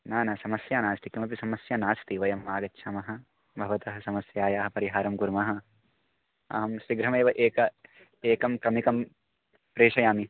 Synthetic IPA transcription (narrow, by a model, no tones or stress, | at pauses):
naːnɐsɐmɐsjaːnaːst̪ikimɐp̬isɐmɐsjanaːst̪iʋɐjɐmːaːɡɐtːʃʰaːmɐɦɐ̆ | bʱɐʋɐt̪ɐɦɐsɐmɐsjaːjaːɦɐpɐɾiɦaːɾɐmkuɾmɐɦɐ̆ | ɐ̰ɦɐmsɾiɡɾɐmeːʋɐʔeːkɐ | eːkɐmkɾɐmikɐm | pɾeːʂɐjaːmi